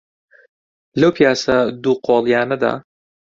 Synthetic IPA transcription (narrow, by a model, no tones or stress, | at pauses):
lɐwpʰijaːsɐd̪uqʰoːlˠjaːnɐd̪a̰ː